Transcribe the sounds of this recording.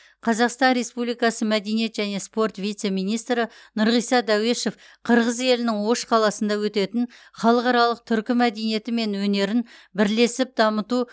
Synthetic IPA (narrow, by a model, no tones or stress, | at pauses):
qʰɑzɑqst̪ɑnɾe̞spublijkɑsəmæd̪e̞nije̞t̪ʒæne̞spo̞rt̪vijt̪se̞mijnijst̪ɾənʊɾʁijsɑd̪æwe̞ʃe̞f | qʰəɾʁəze̞lɪnɪŋwo̞ʃqʰɑlˠɑsənd̪ɑwɵt̪e̞t̪ɪnχɑlˠəqɑɾɑlˠəq̚t̪ʰʏɾkʲɪmæd̪e̞nije̞t̪ɪme̞nwɵne̞ɾɪnbɪɾle̞sɪp̚d̪ɑmət̪u